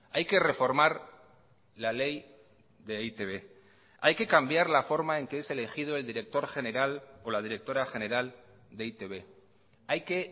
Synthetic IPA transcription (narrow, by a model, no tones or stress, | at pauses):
ajke̞re̞fo̞ɾmaɾ | lale̞j | ðe̞it̪eβe̞ | ajke̞kambjaɾlafo̞ɾmae̞ŋkeesele̞xið̞oe̞ld̪iɾe̞k̚t̪o̞ɾxe̞ne̞ɾalo̞lað̞iɾe̞k̚t̪o̞ɾaxe̞ne̞ɾal | d̪eit̪eβ̞e̞ | ajke̞